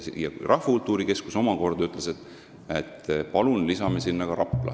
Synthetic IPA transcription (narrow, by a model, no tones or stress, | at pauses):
jɑrʔɑhvɑkult̪ːˑuːɾike̞skuso̞mɑko̞rd̪̥yt̪ːˑleset̪ːˑ | et̪ːpɑlunlisɑmesinːɑɡ̥ɑɾɑpˑlɑ̰